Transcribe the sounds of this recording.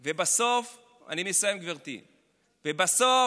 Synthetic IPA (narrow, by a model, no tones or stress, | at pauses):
vebaso̞f | a̰nimisajemɡviʁt̪ḭ | vebaso